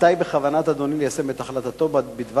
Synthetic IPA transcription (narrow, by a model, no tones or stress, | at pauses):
t̪ajbeχavanat̪ad̪o̞nilejasemet̪aχlat̪at̪o̞bbid̪v